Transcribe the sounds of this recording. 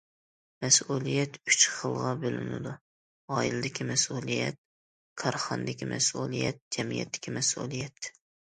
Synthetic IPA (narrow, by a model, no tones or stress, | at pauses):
mɛsulˠijɛt̪yt͡ʃχəlˠʁɑbølynɪ̰d̪u | ɑːjild̪ɪkʲimɛsulˠijɛ̰t̪̚ | kʰɑɾχɑnd̪ɪkʲimɛ̰sulˠijɛ̰t̪̚d͡ʒɛmijɛ̰t̪ːɪ̥kʲimɛsṵlˠijɛt̪